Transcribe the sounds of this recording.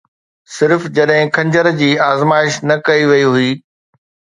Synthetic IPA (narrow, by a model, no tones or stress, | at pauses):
sɪɾfd͡ʑɐɗɦɪ̃kʰɐ̃ɲd͡ʑəɾd͡ʑiːaːzmaːɪʃnɐkɐiʋɐiɦʊiː